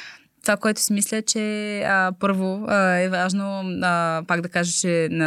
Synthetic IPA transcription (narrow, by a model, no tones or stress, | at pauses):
t̪ovakoɛt̪ʊ̥simislʲət͡ʃɛəpɤɾvoɛvaʒno | paɡd̪ɐkaʒət͡ʃɛnɐ